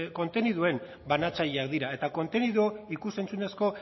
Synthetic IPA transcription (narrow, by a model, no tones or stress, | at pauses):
ko̞nt̪e̞niðue̞m | banat͡saʎeakd̪iɾae̞t̪ako̞nt̪e̞niðoikuse̞nt͡sune̞sko̞